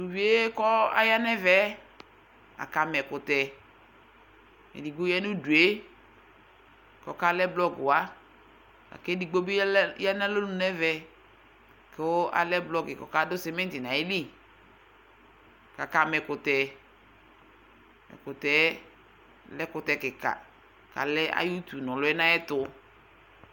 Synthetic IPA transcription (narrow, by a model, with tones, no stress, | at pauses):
du˨vi˦e˦kɔ˦a̰˨˦ja˦nɛ˦vɛ˨˦ | a̰˨ka˨mɛ˨kʊ˨tɛ˨ | ɛ̰˨di˨ɡ͡bu˦jɛ˦nu˦du˨e˦ | kɔ˨ka˦lɛ˦blɔ˦ɡʊ˨a˦ | a̰˨ke˦di˨ɡ͡bo˦bi˦ja˦nɛ˦lo˦nũ˨˦nɛ˦vɛ˨ | ke˨˦ʔa̰˨lɛ˦blɔ˦ɡɪ˨kɔ̰˨ka˦dʊ˦sɛ˨mɛ̃˦n˦tɪ˨nã˨i˦li˦ | ka˨ka˨mɛ˨kʊ˨t̪ɛ˨ | mɛ̰˨kʊ˨tɛ˨˦ | lɛ˦kʊ˨tɛ˨kɪ˨ka̰˨ | ka̰˨lɛ˦a̰˦ju˦t̪u˨nɔ̃˨lʊ˦ɛ˦nã˦ɛ˦t̪ʊ˦